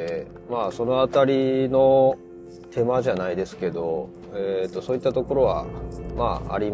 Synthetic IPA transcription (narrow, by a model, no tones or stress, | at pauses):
e | maːso̞no̞at̪aɾʲino̞ | t̪ʰe̞maʑanaid̪e̞sɨ̥ke̞d̪o̞ | et̪ːo̞soːit̪ːat̪o̞ko̞ɾo̞βa̰ma̰ːa̰ɾʲim